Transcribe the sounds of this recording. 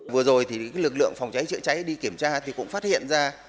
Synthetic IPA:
vɨ˨˩əzo˨˩jt̪ʰi˨˩˨lɨ˨˩k̚lɨ̰˧˨əŋfa˨˩wŋ͡mt͡ɕa˨˦jt͡ɕɨ̰˧˨t͡ɕa˨˦jɗi˧ki˧˩əmt͡ɕaː˧t̪ʰi˨˩kʊ̰˧˥ŋ͡mfaː˦˥t̚hḭ˧˨ənzaː˧

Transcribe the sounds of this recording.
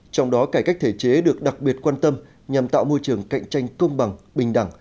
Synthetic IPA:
t͡ɕɔ˧wŋ͡mɗɔ˨˦kaː˧˩jka˦˥k̟̚t̪ʰe˧˩t͡ɕe˨˦ɗɨ˨˩ək̚ɗa˨˩k̚ɓi˨˩ət̚kwaː˧nt̪ə˧m | ɲa˨˩mt̪a̰ː˧˨wmo˧jt͡ɕɨ˨˩əŋka̰˧˨jŋ̟t͡ɕa˧jŋ̟kə˧wŋ͡mɓa˨˩ŋ | ɓï˨˩ŋ̟ɗa˧˩ŋ

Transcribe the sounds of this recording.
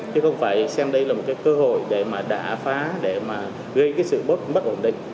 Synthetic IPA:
t͡ɕɨ˨˦xə˧wŋ͡mfaː˧˩jsaː˧ŋɗə˧jlaː˨˩mo˨˩t̚kaː˨˦jkəː˧ho̰˧˨jɗe˧˩maː˨˩ɗa̰ː˧˩faː˨˦ɗe˧˩maː˨˩ | ɣə˧jkaː˨˦jsɨ̰˧˨ɓo˦˥t̚ɓə˦˥t̚ʔo˧˩nɗḭ̈˧˨ŋ̟

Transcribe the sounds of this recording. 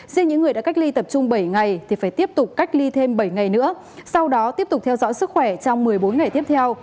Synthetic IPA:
zi˧ənɲɨ̰˧˥ŋːɨ˨˩əjɗa̰ː˧˥ka˦˥jk̚li˧t̪ə˨˩p̚t͡ɕʊ˧ŋ͡mɓə˧˩jŋa˨˩jt̪ʰi˨˩faː˧˩jt̪i˦˥əp̚t̪ʊ˨˩k͡p̚kːa˦˥jk̟̚li˧t̪ʰe˧mɓə˧˩jŋa˨˩jnɨ̰˧˥ə | sa˧wɗɔ˨˦t̪i˦˥əp̚t̪ʊ˨˩k͡p̚t̪ʰɛ˧wzɔ̰˧˥jsɨ˦˥k̚xwɛ˧˩t͡ɕɔ˧wŋ͡mmɨ˨˩əjɓo˨˦nŋa˨˩jt̪i˦˥əp̚t̪ʰɛ˧w

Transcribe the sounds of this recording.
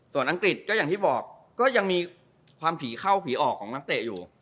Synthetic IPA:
su˨˩ənʔa˧ŋkɾi˨˩t̪̚kɔː˥˩jaː˨˩t̪ʰiː˥˩bɔː˨˩kː | ɔː˥˩ja˧ŋmiː˧ | kʰwaː˧mpʰiː˩˦xʰa˥˩wpʰiː˩˦ʔɔː˨˩kʰːɔː˩˦ŋna˦˥k̚t̪e˨˩juː˨˩

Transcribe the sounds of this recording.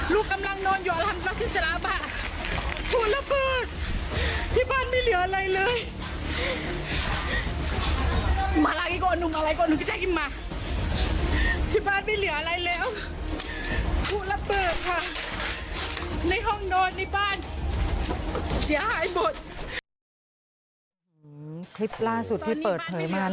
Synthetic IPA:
luː˧˩kːa˧mla˧ŋnɔː˧njuː˨˧˨a˧lʰa˧m˧la˧˥si˨˩t̪̚sa˧na˨˧˥baː˧˩ | t̪ʰuː˧˩la˧˥bɤː˨˩t̪̚ | t̪ʰiː˧˩baː˥˩nmiː˧˩˨lɯ˨˩˦ɐʔa˧ɾa˧jlɤː˧j | u˧˩maː˨˧laː˧˩kiː˧˩kɔː˧˨ʔnu˧˩maː˧la˧jkɔː˧˨nu˧˩kt͡ɕa˧˩ki˧˩maː˧ | t̪ʰiː˧˩baː˥˩˨nma˧˥˩lɯ˩˦ɐʔa˧ɾa˧jlɛː˦˥˩w | t̪ʰu˧˩la˧˥bɤː˨˩t̪̚kʰa˧˩ | na˧˩jɦɔ˥˩ŋnɔː˧˩nːa˧˩baː˥˩n | si˨˦ɐhaː˨˦jmo˨˩t̪̚ | kʰli˦˥p̚laː˥˩su˨˩t̪ʰːiː˥˩pɤː˨˩t̪̚pʰɤː˩˦jmaː˧

